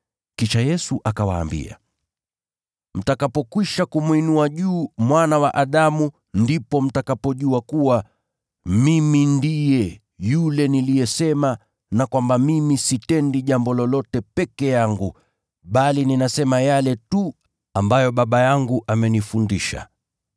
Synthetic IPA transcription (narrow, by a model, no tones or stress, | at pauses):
kiʃajɛsuʔakawa̰ːmbḭa̰ | m̩takapɔkwiʃakumwinuaʄuːmwanawaʔaɗamu | ndipɔm̩takapɔʄuakuwa | mimindijɛ | julɛnilijɛsɛma | nakwambamimisitɛndiʄambɔlɔlɔtɛpɛkɛjaŋɡu | ɓalininasɛmajalɛtu | ambajɔɓaɓajaŋɡuʔamɛnifundiʃa̰